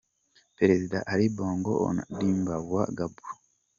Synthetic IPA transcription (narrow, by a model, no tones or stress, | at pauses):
peɾezidaʔaɾiboːŋɡoo̰na̰diːmbaβwaɡabuɾo